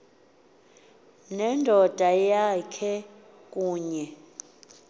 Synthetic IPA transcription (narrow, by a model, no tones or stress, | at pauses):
nɛndʱɔd̥ʱajakʰɛ | k̬ʼuːɲɛ